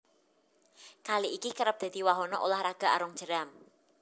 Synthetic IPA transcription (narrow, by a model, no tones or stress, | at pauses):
kaliʔikikəɾəp̚d̪̥a̤d̪̥i̤waɦɔnɔʔolahɾaɡ̥a̤ʔaɾɔŋ̥ʒ̥ə̤ɾam